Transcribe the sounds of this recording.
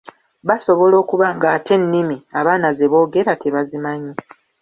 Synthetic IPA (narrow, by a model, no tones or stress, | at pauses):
βaso̞βo̞lo̞ːkuβaŋɡaːtʰe̞nːimiaβaːnaze̞βo̞ːɡe̞ɾatʰe̞βazimaɲi